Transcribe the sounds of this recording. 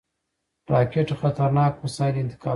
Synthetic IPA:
ɾɑkeʈxat̪aɾnɑːkmasɑɪlɪnt̪ɪ̥kɑ

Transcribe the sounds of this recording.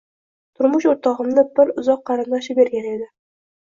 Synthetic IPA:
t̪ʰʊɾmʊʃoɾt̪ɑʁə̆mnəbɪɾʊzɑqːɑɾɨnd̪ɑʃəbeɾɡʲæned̪ɪ

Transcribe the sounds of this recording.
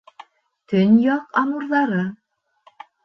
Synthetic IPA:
t̪ɵnjɑqɑmuɾðɑɾɤ

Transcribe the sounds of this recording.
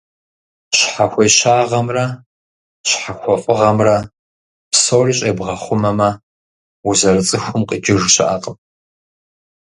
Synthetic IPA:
ɕħaxʷejɕaːʁɐmrɐ | ɕħaxʷɔfʼɨʁɐmrɐ | psoːriːɕʼebʁɐχʷʊmɐmɐ | wuzɐrɨt͡sʼɨxʷʊmqʼəd͡ʒɪʐɕɪʔaːqʼəm

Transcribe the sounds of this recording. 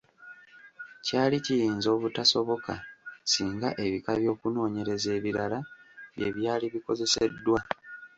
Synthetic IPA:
caːlicijiːnzo̞ːβutaso̞βo̞kasiːŋɡaʔe̞βikaβjo̞ːkuno̞ːɲe̞ɾe̞ze̞ːβiɾalaβje̞βjaːliβiko̞ze̞se̞̰dːwa

